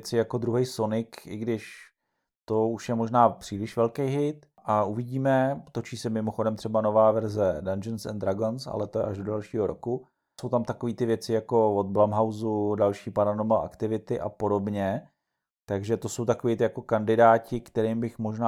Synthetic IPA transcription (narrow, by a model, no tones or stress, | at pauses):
t͡sɪjako̞d̪ɾuɦɛjso̞nɪkʔɪɡdɪʃ | t̪o̞uʃjɛmo̞ʒnaːpr̥iːlɪʃvɛlkejɦɪt̪ | ʔaʔuvɪɟiːmɛt̪o̞t͡ʃiːsɛmɪmoxo̞dɛmt̪r̥ɛbano̞vaːvɛɾzɛdand͡ʒɛnsɛ̰nd̪ɾaɡonsa̰lɛt̪oʔa̰ʒdodɛlʃiːɦo̞ɾo̞̰ku | so̞wt̪amt̪akoviːt̪ɪvjɛt͡sɪjako̞vod̪̚blamɦawzudalʃiːpaɾanomaa̰kt̪ɪvɪt̪ɪʔa̰po̞do̞bɲɛ | t̪aɡʒɛt̪o̞so̞wt̪akoviːt̪ɪjako̞kandɪdaːcɪkt̪ɛɾimbɪxmoʒnaː